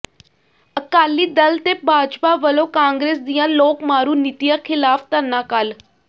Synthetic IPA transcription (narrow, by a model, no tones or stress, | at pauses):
əkaːliːd̪əlt̪eːbʱaːd͡ʒpaːʋəlõːkãːŋɡɾeːsd̪ijãːloːkmaːɾuːnɪt̪ijãːkʰɪlaːpt̪ənːãːkal